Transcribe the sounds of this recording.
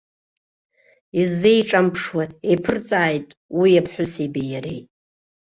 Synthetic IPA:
izejʈ͡ʂʼampʰʂwaepʰɨrt͡sʼaːjtʼ | wijapʰħʷʊsibijaɾḛj

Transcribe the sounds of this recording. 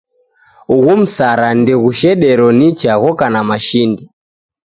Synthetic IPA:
uɣum̩saɾandiɣuʃɛɗɛɾɔnit͡ʃaɣɔkanamaʃindi

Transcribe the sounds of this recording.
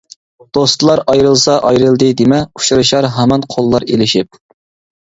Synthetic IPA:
d̪̥ost̪ɨlˠɑɾʔɑjɾɨlˠsɑʔɑjɾɨlˠd̪ɨd̪emɛu̥ʃuɾɨʃɑɾɦæmɑnqʰolˠːɑɾḛlɪʃip̚

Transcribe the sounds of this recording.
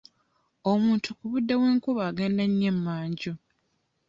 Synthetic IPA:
omuːntʰukuβudːawe̞ːŋkuβaːɡeːndaɲːemːaːɲɟo

